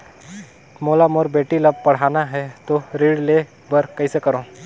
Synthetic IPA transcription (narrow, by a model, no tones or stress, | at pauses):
moːlamoɾbeːʈiləb̚pɐɽ̤aːnaɦɛt̪oɾiːɽle | bəɾkɐisekəɾõː